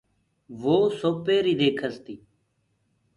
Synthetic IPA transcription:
ʋoːsoːpeːɾiːd̪eːkʰəzt̪iː

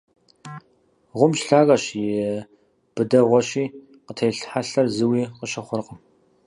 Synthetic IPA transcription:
ʁʷʊmʃɬaːɣɐɕjɪ | b̥ɨdɐʁʷɔɕiː | qətʰejɬħaɬɐrzɨwiːqəʃɐχʷʊrqəm

